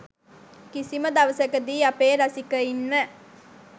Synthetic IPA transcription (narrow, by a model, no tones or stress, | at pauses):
kisiməd̪aʋəsəkəd̪iːapeːɾasikəinːə